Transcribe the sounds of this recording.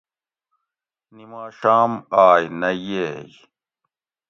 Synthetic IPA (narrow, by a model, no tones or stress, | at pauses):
nimaːɕaːmaːjnɐjej